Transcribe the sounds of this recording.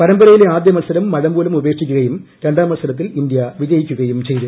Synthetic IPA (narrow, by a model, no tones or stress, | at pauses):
pɐɾɐmbɐɾɐjileaːd̪jɐmɐlsɐɾɐmːɐɻɐmbo̞ːlumube̞ːʂikʲːuɣɐjumɾe̞ɳɖaːmɐlsɐlɐt̪ːilind̪jɐʋid͡ʑɐjikʲːuɣɐjumt͡ɕe̞jðɨ